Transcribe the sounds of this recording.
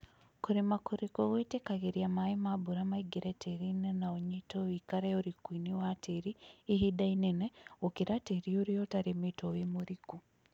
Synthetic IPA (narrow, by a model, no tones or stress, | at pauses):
kuɾemakuɾikoɣwetekaɣeɾiamaimabuɾamaiɡiɾetʰeɾinenaoɲitowikaɾeoɾikwiːniwatʰeɾiːɦidaineneokiɾateɾioɾiotaɾimitowimoɾiku